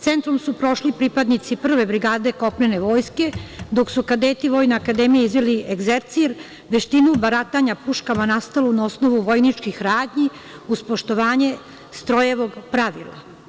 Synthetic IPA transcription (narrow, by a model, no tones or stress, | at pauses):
t̪se̞nt̪ɾomsupɾo̞ʃlipɾipad̪nit̪sipr̩ʋe̞bɾiɡaːd̪e̞ko̞pneneʋo̞ːjske̞d̪o̞ksukad̪eːt̪iʋo̞jnaakad̪emijizʋelieɡzeɾt̪siɾ | ʋeʃt̪inubaɾat̪aɲapuʃkamanast̪alunaosno̞ʋuʋo̞jnit͡ʃkixɾaːd̪ɲi | uspoʃt̪o̞ʋaːɲe̞ | st̪ɾo̞jeʋo̞ɡpɾaʋḭlˠa̰